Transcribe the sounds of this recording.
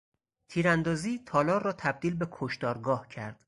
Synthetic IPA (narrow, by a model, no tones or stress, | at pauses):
t̪ʰiːɾænd̪ɒːziːt̪ʰɒːlɒːɾrːɒːt̪ʰæb̚d̪iːlbekʰoʃt̪ɒːɾɡɒːhcʰæɾd̪̥